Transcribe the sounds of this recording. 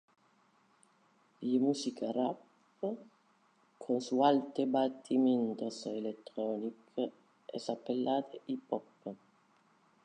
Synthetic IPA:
jimusikʰarapː | kʰonsualt̪ebat̪ʰːiment̪oselet̪ːɾɔnikʰ | ɛ̰sapːelːaːt̪ʰeʔipɔpːə

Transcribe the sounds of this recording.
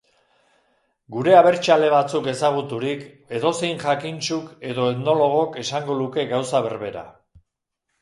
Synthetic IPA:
ɡuɾe̞aβe̞ɾt͡ʃale̞βat͡suke̞saɣ̞ut̪uɾik | e̞ðo̞se̞jnʝakint͡ʃuke̞ðo̞et̪no̞lo̞ɣ̞o̞ke̞saŋɡo̞nuke̞ɣawsaβ̞e̞̰ɾβe̞ɾa̰

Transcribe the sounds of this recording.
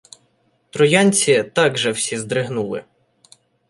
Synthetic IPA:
t̪ɾɔjɑnʲt͡sʲit̪ɑɡʒɛwsʲizd̪ɾɪɦnulˠɪ̰

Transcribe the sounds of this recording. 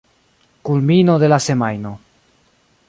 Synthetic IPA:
kulmino̞d̪e̞lase̞majno̞

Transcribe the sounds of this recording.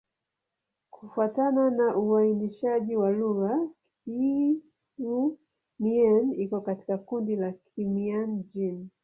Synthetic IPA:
kʰufuatananaʔuainiʃaʄiwaluɣak | i | u | mianikɔkati̥kakundilakʰimiand͡ʒin

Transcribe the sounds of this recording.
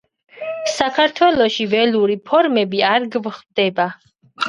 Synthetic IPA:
sakʰaɾt̪ʰwɛlˠɔʃivɛluɾipʰɔɾmɛbiaɾɡvχd̪ɛba

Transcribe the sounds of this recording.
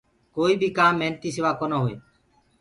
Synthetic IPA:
koːiːbʱiːkaːmːeːnt̪iːsɪʋaːkoːnoːɦoːḛː

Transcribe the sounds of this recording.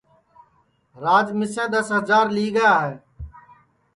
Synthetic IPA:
ɾaːd͡ʒmɪsẽːd̪əsɦəzaːɾliːɡəjaːɦeː

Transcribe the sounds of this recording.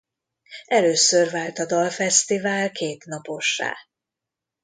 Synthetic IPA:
ɛløːsørvaːlt̪ɒd̪ɒlfɛst̪ivaːlkeːt̪nɒpo̞ʃːa̰ː

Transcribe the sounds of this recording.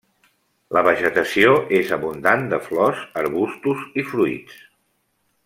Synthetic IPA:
ləβ̞əʒət̪əsioʔezəβund̪and̪əflɔzəɾβust̪uzifɾuḭt͡s

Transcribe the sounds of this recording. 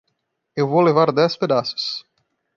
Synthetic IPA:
ewvolevaɾd̪ɛsped̪asʊ̥s

